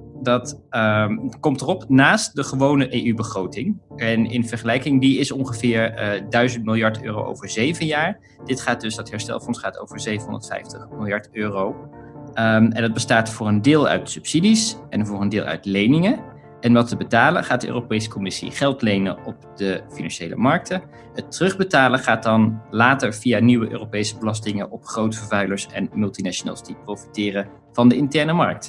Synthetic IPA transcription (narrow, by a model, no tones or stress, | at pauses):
dɑt | kɔmtərɔpnaːst̚dəχəʋownəʔejybəχrowtɪŋɛnɪ̰nvɛɹχəlɛjkɪŋdiɪsɔŋχəvɪːɹdœɥzəntmɪlˠjɑɹtø̰ːro̰wʔo̰wvəɹzejvənjaːɹ | d̥ɪtχaːd̚dɵsdɑtɦɛɹstɛ̰lˠfɔnsχaːto̰wv̥əɹzejvənɦɔ̃ndətfɛ̰jftəχmɪlˠjɑɹtøːrowəɛ̰ndɑd̚bəstaːtfʊːrəndɪːlˠœ̰ɥtsɵpsidisɛnvʊːɹəndɪːlˠœ̰ɥtlejnɪŋə | ʔɛnʋɑtəbətaːlə̰nχaːt̚dəʔø̰ːropejsə̥kɔmɪsḭχɛlˠtlejnə̰ɔp̚dəfinɑ̰nʃejlʔə̰mɑɹk̚tə | ɦətərɵχbətaːləχaːt̚dɑnlaːtəɹvijaːniwəʔø̰ːrowpejsəbəlɑstɪŋənʔɔpχrowtfəɹvœɥləɹsɛ̰nmɵlˠtinaʃona̰ːlˠzd̥iprowfi̥tɪːrə | v̥ɑndəɪntɛɹnəmɑ̰ɹk̚t